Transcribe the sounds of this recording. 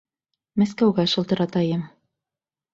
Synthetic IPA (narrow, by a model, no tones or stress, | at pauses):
mæskæwɡæʃɤ̆lˠt̪ɤ̆ɾɑt̪ɑjɤm